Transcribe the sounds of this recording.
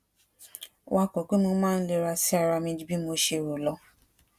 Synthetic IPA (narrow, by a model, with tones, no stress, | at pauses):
wʔa˧kɔ˨ku˦nũ˧˦mãː˦n̩˦le˧ɾa˧si˦a˧˨ɾa˧mĩ˧˦d͡ʒi˧˦bi˦mo˧˦ʃe˧˨ɾo˨lɔ˧